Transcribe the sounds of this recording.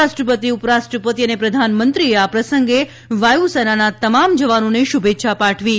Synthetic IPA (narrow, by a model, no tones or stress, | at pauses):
aʃʈɾəpət̪iʊpɾasʈɾəpət̪iənepɾəd̪ʱanmənt̪ɾieapɾəsəŋɡe | ʋajusɛnanat̪əmamd͡ʒəʋanoneʃubʱet̪ːʃʰapaʈʰʋi